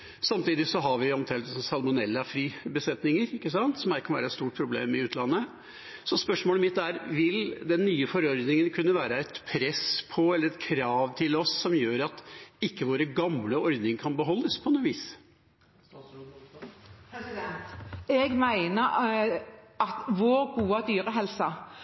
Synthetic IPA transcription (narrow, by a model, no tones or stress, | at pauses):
sɑmt̪iːd̪ɪsɔɦɑʋɪɔmt̪ʰɛːlt̪əsɔmsɑlmʊnɛlːəfɾyːbəsɛt̪nɪŋəɾɪkːəsɑnt̪sɔmæɾkʰɑnʋæ̰ːɾəɛt̪st̪uːʈ̚pʰɾʊblḛːmɪʉːt̪lɑnːə | sɔspœʂmoːləmɪt̪ːæɾʋɪld̪ɛnːyːəfɔɾɔɾd̪nɪŋənkʰʉnːəʋæːɾəɛɪt̪pʰɾɛspʰɔɛlːəɾɛt̪kʰɾɑːʋt̪ʰɪlɔsːɔmjøːɾɑt̪ɪkːəʋoːɾəɡɑmləɔɾd̪nɪŋkʰɑnbəɦɔlːəspʰɔɛnːoːʋiːs | ɛɡmæɪnəɾ | ɑt̪ʋoːɾɡuːəd̪yːɾəɦɛlsɑ